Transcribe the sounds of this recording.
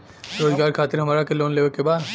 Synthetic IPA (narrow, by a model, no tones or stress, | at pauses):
ɾoːzɡaːɾkʰaːt̪ɪɾɦɐmaːɾakeloːnleːʋəɾkebaːd̪